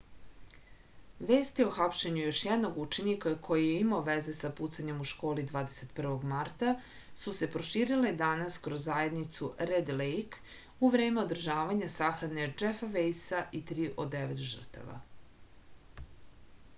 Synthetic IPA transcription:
ʋeːst̪io̞xapʃeɲujo̞ʃjɛd̪no̞ɡut͡ʃenikakʰo̞jijeimaoʋeze̞saput̪saɲe̞muʃko̞ːlid̪ʋaːd̪ese̞t̪pr̩ʋo̞ɡmaɾt̪a | suse̞pɾo̞ʃiːɾiled̪anaskɾozːaje̞d̪nit̪suɾed̪lejk | uʋɾe̞ːme̞o̞d̪r̩ʒaːʋaɲasaxɾane̞d͡ʒefaʋejsaʔit̪ɾiːʔod̪eʋet̪ʒər̩t̪a̰ʋa̰

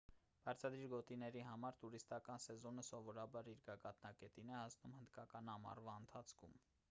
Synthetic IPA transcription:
b̥ɑɾt͡sʰɑd̪ɾiɾɡɔt̪inɛɾiɦɑmɑɾt̪uɾist̪ɑkɑnsɛzɔnəsɔvɔɾɑbɑɾiɾɡɑɡɑt̪nɑkɛt̪inɛhɑsnumhənd̪kɑkɑnɑmɑ̰rvɑənt̪ʰɑt͡sʰkʰum

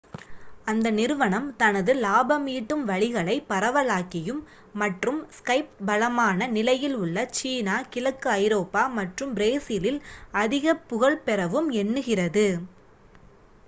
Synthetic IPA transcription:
ɐnd̪ɐnɪɾɯʋɐɳɐmt̪ɐnɐðɯlaːbɐmiːʈːɯmʋɐɭɪɣɐɭɐɪpɐɾɐʋɐlaːkɪjɯmː | ɐʈrɯmskɐɪp̚bɐlɐmaːnɐnɪlɐjɪlʊɭːɐt͡ʃiːnaːkɪlɐkːɯɐɪɾoːpːaːmɐʈrɯmɾeːsɪlɪlɐðɪɣɐpːʊɣɐɭpɛɾɐʋɯmɛnːɯɣɪrɐðɯ

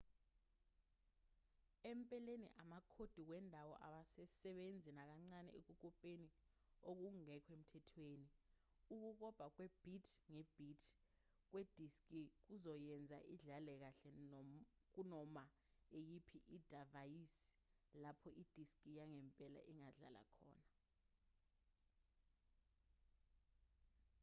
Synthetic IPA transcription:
empʼɛlenḭʔamakʰod̥ʱikwɛndʱawɔ̰ʔa̰ɓasɛsɛɓend͡zʱinak̬aŋ͡ǀanɛ̰ḛk̬uk̬ɔpʼeni | ok̬uŋɛkʰem̩tʰɛtʰweːni | uk̬uk̬ɔb̥ʱak̬wɛb̥ʱitʰŋɛb̥ʱitʰ | k̬wed̥ʱiskʼik̬uzɔjɛnd͡zʱa̰ʔiɮalɛk̬aɬɛ | k̬unɔma | ejipʰiʔid̥ʱavajisi̥lapʰɔʔid̥ʱiskʼijaŋɛmpʼɛla̰ʔiŋaɮa̰la̰kʰɔ̰ːna

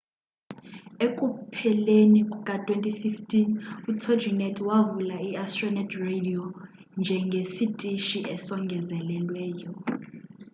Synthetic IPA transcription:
ekʼupʰɛlenikʼukʼatʼwentʼififtʰʼinutʰod͡ʒinɛtʰʼwavulaiastʼrɔnɛdredio | nd͡ʒʱɛŋɡʱesitʼiʃiʔɛsɔŋɡʱɛzɛlɛlwɛːjɔ

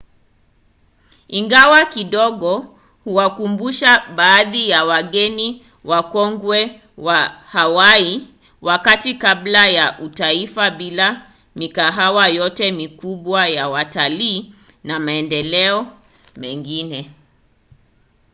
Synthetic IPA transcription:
iŋɡawakiɗɔɠɔ | huwakumbuʃaɓaːðijawaɠɛni | wakɔŋɡwɛ | wahawai | wakatikablajaʔutaifaɓila | mikaɦawajɔtɛmikuɓwajawataliː | namaɛndɛlɛɔ | mɛŋɡinɛ

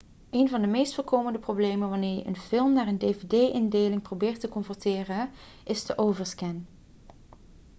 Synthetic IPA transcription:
ejnvɑndəmejstfʊːɹkowməndəprowblejmənʋɑnɪːɹjəʔə̰nfɪlˠmnaːɹəndejvedejʔɪndeːlɪŋprobɪːɹtəkɔmfɔɹtɪːrə | ʔɪstəʔowvəɹskɛn

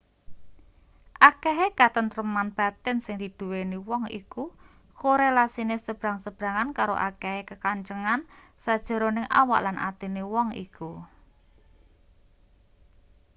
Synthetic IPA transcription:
ʔakeɦekat̪ənt̪ɾəmanb̥a̤t̪ɛnsɪŋd̪̥i̤d̪̥uweniwɔŋḭku | koɾelasinesəb̥ɾa̤ŋsəb̥ɾa̤ŋankaɾo̰ʔa̰keɦekəkaɲt͡ʃəŋan | sad̥ʒ̥ə̤ɾonɪŋʔa̰wa̰ʔlanʔa̰t̪iniwɔŋḭku

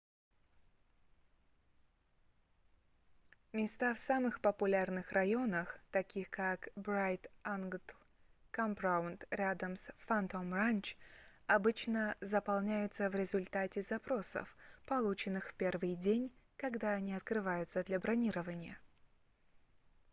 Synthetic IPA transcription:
mʲɪst̪afsamɨxpəpʊlʲarnɨxrɐjo̞nəxt̪ɐkʲixkakbɾajt̪anɡ̪l | kamprawʊnt̪ɾʲad̪əmsfɐnt̪omranʲt͡ɕɐbɨt͡ɕnəzəpɐlˠnʲæjʊt̪səvɾʲɪzʊlʲt̪atʲɪzɐpɾo̞sə̰fpɐlˠut͡ɕɪnːɨxfpʲe̞rvɨjdʲenʲkɐɡd̪aɐnʲiɐt̪kɾɨvajʊt̪səd̪lʲɐbɾɐnʲiɾəvənʲɪjə̰

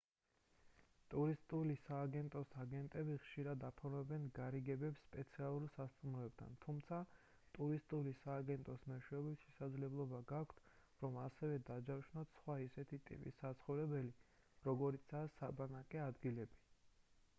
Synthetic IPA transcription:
t̪ʼuɾist̪ʼulisaːɡɛnt̪ʼɔsaɡɛnt̪ʼɛbiχʃiɾad̪apʰɔɾmɛbɛnɡaɾiɡɛbɛpsːpʼɛt̪sʰialˠulsast̪ʼumɔɛb̚d̪ʰa̰nt̪ʰumt̪sʰa | t̪ʼuɾist̪ʼulisaːɡɛnt̪ʼɔsmɛʃɛɔbitʃɛsad̪zlɛblˠɔbaɡakʷʰt̪ʰ | ɾɔmasɛvɛd̪ad͡ʒaɾʃnat̪sχwaisɛt̪ʰit̪ʼḭpʼḭsːat̪sʰχɔvɾɛbɛli | ɾɔɡɔɾit̪sʰasːabanakʼɛad̪ɡilɛbi

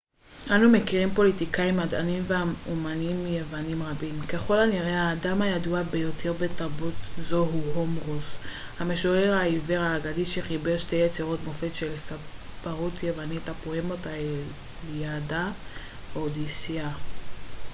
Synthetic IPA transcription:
ʔanume̞kiʁimpo̞litikaimada̰nimveaumanimje̞vanimʁabimkeχo̞laniʁehaːdamajaduabe̞jo̞tʰe̞ʁbe̞taʁbutzo̞ɦuɦomʁus | hameʃoʁeʁaiveʁaːɡadiʃeχibeʁʃtejet͡siʁo̞tmo̞fetʃelsapaʁutʰjevanitapohemota | jada | od̪isia

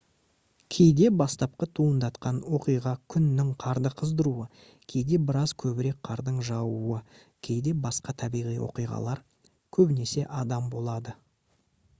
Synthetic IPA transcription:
kʲʰe̞jd̪e̞bɑst̪ɑp̚qɑt̪ʰuənd̪ɑt̪qɑnwo̞qijʁɑkʲʰʏnːɪŋqʰɑɾd̪əqʰəzd̪əɾuə | kʲʰe̞jd̪e̞bɪɾɑzkʲʰɵbɪɾe̞k̚qʰɑɾd̪əɴʒɑwuə | kʲʰe̞jd̪e̞bɑsqɑt̪ʰɑbijʁijwo̞̰qijʁɑ̰lˠɑɾ | kʲʰɵbɪne̞se̞ʔɑd̪ɑmbo̞lˠɑd̪ə

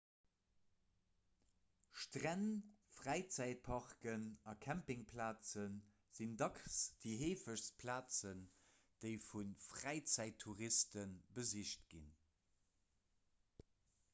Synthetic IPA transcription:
ʃtʁænfʁæɪt͡sæɪt̚pʰɑʁkənɑkʰæmpɪŋpʰlaːt͡sən | z̥indɑksd̥iɦeːfəʃspʰlaːt͡sən | d̥eɪfunfʁæɪt͡sæɪtʰːuʁistənbəziʃt̚ɡ̥ḭn

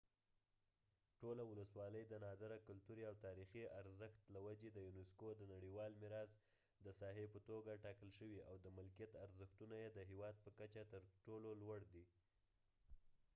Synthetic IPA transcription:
ʈolawʊləswɑləjd̪ənɑd̪aɾakʊlt̪uɾiawt̪ɑɾixiaɾzəxt̪lawad͡ʒed̪əjunɪskod̪ənaɽiwɑlmɪɾɑz | d̪əsɑɦepət̪oɡaʈɑkəlʃəwiawd̪əmɪlkijat̪aɾzəxt̪unajed̪əɦewɑd̪̚pəkat͡ʃat̪əɾʈololwaɽd̪i

